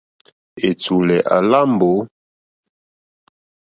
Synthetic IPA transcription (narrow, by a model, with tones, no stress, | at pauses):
e˨t͡su˨lɛ˨ʔa˨la˦mbo˨˦